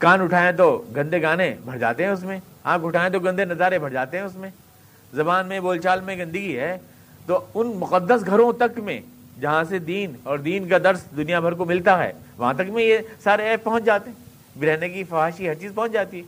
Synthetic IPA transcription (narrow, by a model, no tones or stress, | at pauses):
kaːnʊʈʰaːẽt̪̬oɡɐ̃nd̪eɡaːnebʱɐɽ̤d͡ʒa̰ːt̪eɦɛ̃ʊsmẽaːkʊʈʰaːẽt̪̬oɡɐ̃nd̪enɐzaːɾebʱɐɽd͡ʒaːt̪eɦɛ̃ʊsmẽ | zɐbaːnmẽboːlt͡ʃaːlmẽɡɐ̃nd̪əɡiɦɛː | t̪oʊnmʊqəd̪ːəsɡʱɐɾõt̪ɐkmẽd͡ʒɐɦãsed̪iːnɔːɾd̪iːnkad̪ɐɾsd̪ʊnijabʱɐɾkomɪlt̪aɦɛ̰ːʋɐɦãt̪ɐkmẽjesaːɾeɛːpɐɦʊ̃t͡ʃd͡ʒaːt̪eɦɛ̃ | bɪɾɛːnek̬ifɐaːʃiɦɐɾt͡ʃiːzpɐ̃ɦʊ̃t͡ʃd͡ʒaːt̪iɦɛː